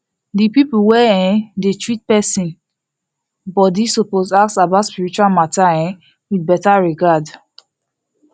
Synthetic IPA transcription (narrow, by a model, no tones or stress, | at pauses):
dipipuwɛɛ̃detɹit̚pɛsĩn | bɔtdisopozaksabaʊtspiɹit͡ʃualmataɛ̃ | widbɛtaɹiɡad